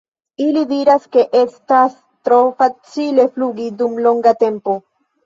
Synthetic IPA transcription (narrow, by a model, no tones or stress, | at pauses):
ilidiɾaske̞ʔestas | tɾo̞fat͡sile̞fluɡidumlo̞ŋɡate̞mpo̞